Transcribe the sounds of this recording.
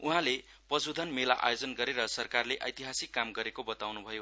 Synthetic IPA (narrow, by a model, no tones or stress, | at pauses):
uɦãle | pʌsud̪ʱʌnmela̰ʔa̰jod͡zʌnɡʌɾeɾʌsʌrkarleʔʌ̰jt̪iɦasikːamɡʌɾekobʌt̪awnubʱʌjo